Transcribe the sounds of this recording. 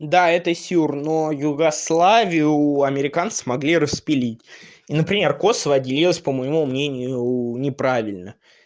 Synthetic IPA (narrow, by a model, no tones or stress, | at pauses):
d̪aɛt̪əsʲurnojʊɡɐslˠavʲɪjʊɐmʲɪɾʲɪkant̪sɨ̥mɐɡlʲiɾəspʲɪlʲitʲinəpɾʲɪmʲe̞rko̞səvəɐdʲɪlʲilˠəsʲpəməjɪmumnʲenʲɪjjʊnʲɪpɾavʲɪlʲnə